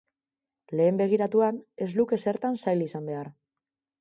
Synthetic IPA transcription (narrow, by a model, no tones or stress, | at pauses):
le̞ːmbe̞ɣ̞iɾat̪uane̞zluke̞se̞ɾt̪ansajlisambe̞ar